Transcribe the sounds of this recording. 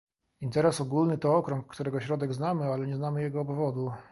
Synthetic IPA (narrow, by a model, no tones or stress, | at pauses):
int̪ɛɾɛsɔɡulnɘt̪ɔɔkɾɔŋkːt̪uɾɛɡɔɕɾɔd̪ɛɡznamɘalɛɲɛznamɘjɛɡɔːbvɔd̪u